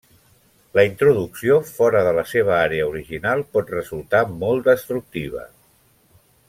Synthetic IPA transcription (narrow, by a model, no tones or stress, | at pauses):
ləint̪ɾuðuksiofɔɾəðələseβ̞əaɾeəuɾiʒinalˠpɔt̪rəzulˠt̪amɔlˠt̪d̪əst̪ɾuk̚t̪iβ̞ə̰